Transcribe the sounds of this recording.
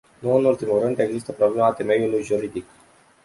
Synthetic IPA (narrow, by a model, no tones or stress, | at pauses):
nuɨnult̪imulrɨnd̪e̞ɡzist̪əpɾoble̞mat̪e̞me̞julujʒuɾid̪ik